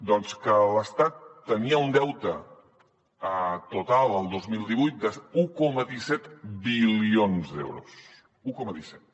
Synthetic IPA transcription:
d̪ɔnskələst̪at̪ːəniəund̪ɛwt̪ə | ət̪ut̪alˠəlˠd̪ozmilˠd̪iβujt̪̚d̪əukɔməðisɛt̪bilionzd̪ḛwɾṵs | ukɔməðisɛt̪

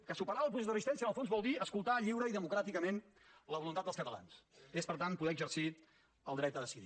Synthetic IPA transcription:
kəsupəɾaəlˠp̬usɛzðərzist̪ɛnsiənəlˠfonzβɔlˠd̪iəskulˠt̪aʎiwɾəiðəmukɾat̪ikəmen | ləβulunt̪at̪əskət̪əla̰nsespəɾt̪anpuðɛəɡzərsi | əlˠd̪ɾɛt̪əðəsiðḭ

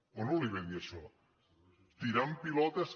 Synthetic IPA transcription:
onoliβeðiɐʃɔ | t̪iɾampilɔt̪ɐs

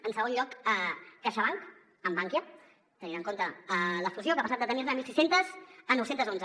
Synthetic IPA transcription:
ənsəɣonʎɔkəːaʃəβ̞aŋk | əmbaŋkjə | t̪əninaŋkont̪əələst̪uzjokapəsat̪d̪ət̪əniɾnəmilsisent̪əzənɔwsent̪əzonzə

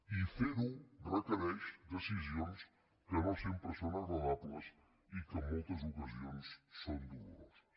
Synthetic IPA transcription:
ifiðurek̪eɾejsd̪esis̬jones | kenosempeɾsonasraðat̪las | ikemot̪asokasjonesːond̪uɾas

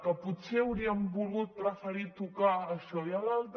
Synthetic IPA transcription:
kəput̪seəwɾiəmbulɣut̪̚ɾəfəɾit̪ukaəʃɔjalalt̪

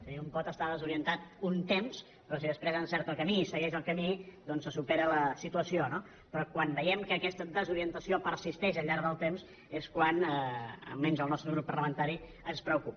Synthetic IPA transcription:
sumpɔt̪əst̪aðəzuɾiənt̪at̪̚unt̪ems | pɾɔsiðəspɾezənsɛɾt̪əlˠkəmisəɣɛʃəlˠkəmid̪ɔnsːəsupeɾələsit̪uəsiono | pɾɔkwanbəjɛmkəːkɛst̪əd̪əzuɾiənt̪əsiopəɾsist̪ɛʃəʎːaɾðəlˠt̪ems | eskwanəə̰mːɛnzəlˠnɔst̪ɾəɣɾupːəɾləmənt̪aɾi | ənspɾəukup

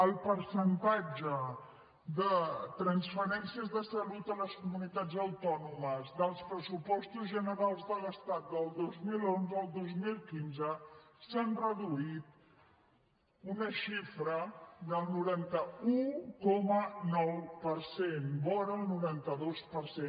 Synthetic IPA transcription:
əlˠpəɾsənt̪ad͡ʒə | ðət̪ɾənsfəɾɛnsiəzðəsəlut̪ələskumunit̪ad͡zəwt̪ɔnuməzd̪əlˠspɾəsupɔst̪uzʒənəɾalˠzðələst̪at̪̚d̪əlˠd̪ozmilonzəːlˠd̪ozmilˠkinzəsanrəðuit̪ | unəʃifɾəðəlˠnuɾant̪əukɔmənɔwpəɾsenbɔɾəlˠnuɾant̪əðospəɾse

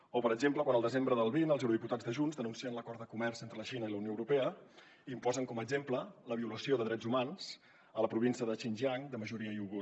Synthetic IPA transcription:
opəɾəɡzempləkwanəlˠd̪əzembɾəðəlˠβinəlˠzɛwɾuðiput̪ad͡zðəʒunzðənunsiənləkɔɾt̪ðəkumɛɾzent̪ɾələʃinəiləunijoəwɾupɛə | impɔzəŋkɔməɡzemplələβiuləsioðəðɾɛd͡zumans | ələpɾuβinsiəðət͡ʃinʲʒiaŋd̪əməʒuɾiəiuɣu

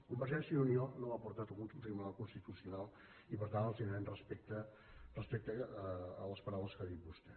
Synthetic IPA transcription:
kumbəɾʒɛsiunionoapuɾt̪at̪uɣunt̪ut̪ɾimunalkunst̪it̪usiunalˠ | ipəɾt̪anəlˠzinɾɛnrəspɛk̚t̪ə | rəspɛk̚t̪əː | ləspəɾawləskəðit̪̚bust̪ɛ

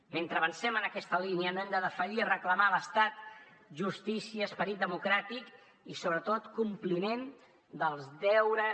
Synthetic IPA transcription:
ment̪ɾəβənsɛmənəkɛst̪əliniənoɛmd̪əðəfəʒirəkləmaləst̪at̪ʒust̪isiəːspəɾit̪̚d̪əmukɾat̪ik | isoβɾət̪ot̪kumplimen | d̪əlˠzd̪ɛwɾə

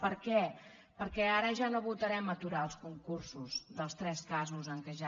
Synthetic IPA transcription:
pəɾkɛ | pəɾkɛaɾəʒanoβut̪əɾɛmət̪uɾaəlˠskuŋkursuzðəlˠst̪ɾɛskazuzəŋkɛʒa

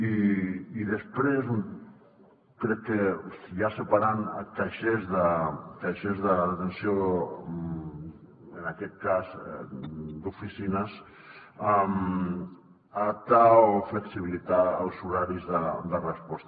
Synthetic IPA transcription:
iiðəspɾez | kɾɛkːejasəpaɾank̪aʃezðək̪aʃezðəðət̪ensio | ənakɛt̪̚kaz | d̪ufisinəs | am | aðap̚t̪aofləksiβilit̪aə̰lˠzuɾaɾizðəd̪ərəspɔst̪

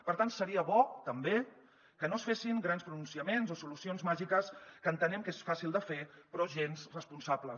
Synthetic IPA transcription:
pəɾt̪ansəɾiəβɔt̪əmbe | kənosfesiŋɡɾanspɾununsiəmenzosulusionzmaʒikəskənt̪ənɛmkesfasilˠd̪əfepɾɔʒenzrəspunsablə

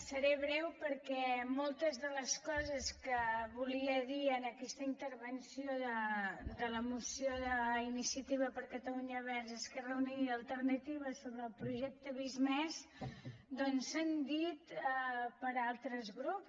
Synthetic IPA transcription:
səɾɛβɾɛwpəɾkɛmɔlˠt̪əzðələskɔzəskəβuliəðiənəkɛst̪əint̪əɾβənsioðəd̪ələmusijoðəinisiət̪iβ̞əpəɾkət̪əluɲəβɛɾzeskərəuniɾiəlˠt̪əɾnət̪iβəsoβɾəːlˠpɾuʒɛk̚t̪əβizmɛz | d̪ɔnsand̪it̪ | pəɾalˠt̪ɾəzɣɾups

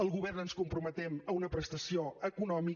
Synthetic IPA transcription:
əlˠɣuβɛrnənskumpɾumət̪ɛməunəpɾəst̪əsioəkunɔmi

